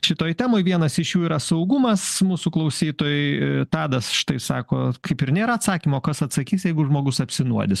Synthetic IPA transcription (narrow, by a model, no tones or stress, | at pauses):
ʃʲɪt̪oːjt̪ʲæːmoːjʋʲiɛnɐsɪʃjuːiːɾɐsɐʊɡʊmɐsmuːsʊklˠɐʊsʲiːt̪oːjʊɪt̪ɑːd̪ɐsʃɪ̥t̪ɐɪsɑːkoːkɐɪpɪɾnʲeːɾɐɐt̪sɑːkʲimoːkɐsɐt̪sɐkʲiːsjɛɪɡʊʒmoːɡʊsɐpʲsʲɪnuɔd̪ʲɪs